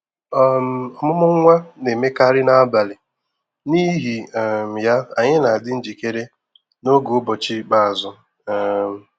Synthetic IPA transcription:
ɔ˦m˦ɔ˨mʊ˦mʊ˦ŋ̩˦ŋʷa˦ne˨me˦ka˦ɾɪ˦na˦a˦ba˨lɪ˨ | ni˦ɦi˨m̩˨ja˦a˨ɲɪ˦na˨a˨dɪ˦n̩˦d͡ʒi˨ke˦ɾe˦ | no˦ɡo˨ʊ˦bɔ˨t͡ʃi˦k͡pa˨a˨zʊ˦˨ | m̩˨

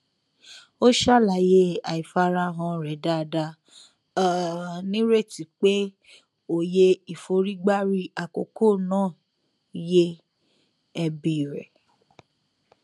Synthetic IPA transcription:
o˦ʃa˦˨la˨je˦a˨i˨fa˧˦ɾa˧ɦã˧ɾɛ˨˦da˦˧da˧˦ | nĩ˦ɾe˦˨ti˨k͡pe˦ | o˦˨je˧i˨fo˧ɾi˦ɡ͡ba˦ɾi˦a˨ko̰˨ko˦˨nãː˦˨ | je˦ | ɛ˧bi˦˨ɾɛ̰˨

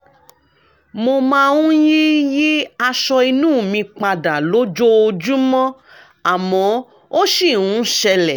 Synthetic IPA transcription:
mo˧mã˦˧ũ˦ji˦ji˦a˧ʃɔ˧i˧nũː˦˨mĩ˧k͡pa˧da˨lo˨˦d͡ʒo˦o˧d͡ʒu˦mɔ̃˦ | a˨mɔ̃˨˦ | o˦ʃi˦˨ũ˨˦ʃɛ˧lɛ˨

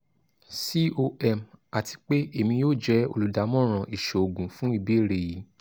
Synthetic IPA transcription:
si˦o˧ɛ˦˨ma˨tʰi̥˧k͡pe˦e˦˨mĩ˧joː˦˨d͡ʒɛ˦o̰˧lu˨da˨˦mɔ̃˦ɾ̃ã˧˨ʔi˨ʃo˨o˨ɡũ˨fũ˦i˦˧be˦˨ɾe˧˨ji˨˦

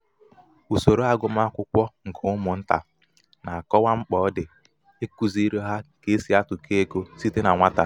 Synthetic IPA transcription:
u˨so˨ɾo˦a˦ɡʊ˦m˦a˦kʷʊ˦kʷɔ˦ŋ̩˨kʰo˨˦ʊ˦mʊ˨n̩˦ta̰˨ | na˨a˨kɔ˦wa˦ŋ͡m̩˦k͡pɔ˨˦dɪ˨ | e˦ku˨zi˦ɾo˦ɦa˦ke˦e˦si˦a˦tʊ˨kʰe˦e˦ko˦si˦te˦na˨ŋʷa˦ta˦

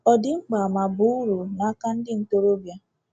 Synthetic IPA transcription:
ɔ˨dɪ˦ŋ͡m̩˦ɡ͡ba˨a˨ma˨bʊ˦u˦ɾu˨na˨a˦ka˦n̩˦dɪ˦n̩˦to˦ɾo˦bja˦

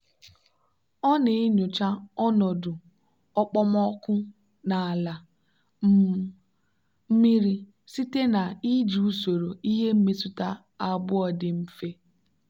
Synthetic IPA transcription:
ɔ˦nɪ˨ɪ˦ɲʊ˨t͡ʃa˦ɔ˦nɔ˨dʊ˨ | ɔ˦k͡pɔ˦mɔ˦kʷʊ˦ | na˨a˨la˨˦ | m̩˦mi˦ɾi˦ | si˦te˦na˨i˦d͡ʒi˨u˦so˨ɾo˨i˦ɦe˦m̩˦mi˦sʊ˦ta˦ | a˦bʊ˦ɔ˨dɪ˨m̩˦fe˦

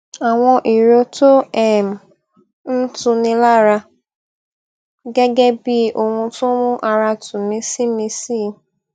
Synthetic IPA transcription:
a˨ŋʷɔ˦ʔi˨ɾo˦to˦ɛ˨m̩˨ | n̩˦tʊ˨nɪ˦la˦ɾa˧ | ɡe˦ɡe˦bi˦˨ʔo˨ŋʷʊ̃˦tʊ˦ŋʊ˦ʔa˨ɾa˨tʊ˨me˦si˦me˦si˦˨

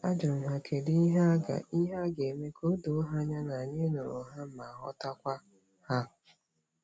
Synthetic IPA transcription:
a˦d͡ʒʊ˨m̩˨ɦa˨kʰe˨di˦i˦ɦa˦a˦ɡa̰˨ʔi˦ɦa˦ɡe˨me˦kʰo˦do˨˦ɦa˦ɲa˦na˨ɲe˦nʊ˨ɾʊ˨ɦa˦m̩˦ma˨ɦɔ̰˦ta˦kʷa˦ | ha˦

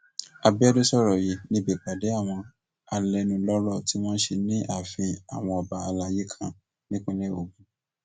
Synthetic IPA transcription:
a˧bi˦ɔ˦do˦sɔ˦˨ɾɔ˨ji˨˦nĩ˧˦be˨k͡pa˨de˨˦a˦˨w̃ɔ̃˧ | a˧lɛ˧nũ˨lɔ˦ɾɔ˦˨ti˨˦w̃ɔ̃˦n̩˦ʃe˧nĩ˦ʔa˦˨fĩ˧a̰˨w̃ɔ̃˧ɔ˨ba˧a˧la˧je˦kʰã˦˨ | nĩ˦kũ˦le˦o˨ɡũ˦

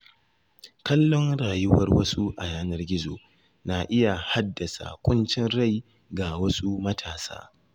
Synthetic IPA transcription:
kɐ˦lːɔ˦ŋɽaː˨jʊ˦wɐ̰˦rwɐ˦su˦ʔa˨jaː˦nɐ˦rɡʲɪ˦zoː˨ | na˨ʔɪ˦ja˨ha˦dːɐ˨sa̰˨kʷʼʊ˦nt͡ʃɪ˦nɾa˦˨j | ɡa˨wɐ˦su˦mɐ˦tʰaː˨sa̰ː˦

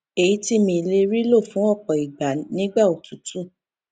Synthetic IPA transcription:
e˨ji˨˦ti˦mĩ˧˨˧le˧ɾi˦lo˦˨fũ˨˦ɔ˦˨k͡pɔ˨i˨ɡ͡ba˨nĩ˦ɡ͡ba˦˨o˨tu˨tʰu˦

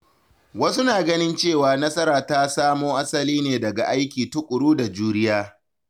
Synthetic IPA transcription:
wɐ˦su˦naː˨ɡɐ˦nɪ˦nt͡ʃeː˦˨waː˨nɐ˦sʼɐ˦ɾaː˨taː˦saː˦moː˦ʔa˦sɐ˨liː˦neː˨dɐ˨ɡa̰˨ʔa˦jkʲiː˨tʊ˦kʷʼʊ˨ɽuː˦da˨d͡ʒuː˦ɾɪ˦jaː˦

